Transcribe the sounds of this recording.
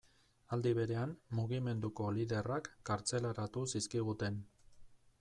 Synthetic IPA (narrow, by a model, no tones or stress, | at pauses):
ald̪iβ̞e̞ɾe̞ammuɣ̞ime̞nd̪uko̞liðe̞rakːaɾt͡se̞laɾat̪usiskiɣ̞ut̪e̞n